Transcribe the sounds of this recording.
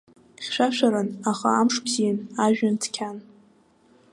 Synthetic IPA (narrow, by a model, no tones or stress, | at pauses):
χʲʃʷᶣaʃʷᶣaɾɨnaχaamʂpʰzinaʒᶣantʰkʲʰan